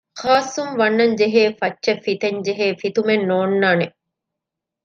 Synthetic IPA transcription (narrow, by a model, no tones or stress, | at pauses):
xaːsːumʋɐnːɐɲd͡ʒeɦeːfɐtːʃɐfːit̪ɐɲd͡ʒeɦeːfit̪umenːoːnːaːne